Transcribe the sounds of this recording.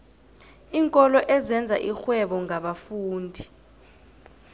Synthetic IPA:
iːŋkʼɔlɔʔɛzɛnd͡zʱa̰ʔixwɛɓɔŋʱaɓafuːndʱi

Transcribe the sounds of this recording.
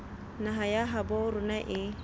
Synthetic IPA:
naɦajaɦabɔɾunaʔɪ

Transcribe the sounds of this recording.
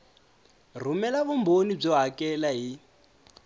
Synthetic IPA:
r̤umɛlaβumbonib͡ʐɔɦakɛlaɦi

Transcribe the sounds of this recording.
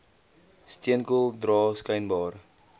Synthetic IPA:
stiənkulˠdrɑːskɛjnbɑːr

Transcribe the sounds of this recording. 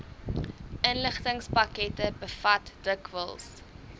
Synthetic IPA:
ʔənləχtəŋspɐkɛtəbəfɐtd̥əkvəlˠs

